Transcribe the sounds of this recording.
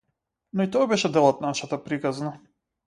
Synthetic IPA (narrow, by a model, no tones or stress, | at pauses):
nɔit̪ɔabɛʃɛd̪ɛlˠɔt̪̚naʃat̪apɾikazna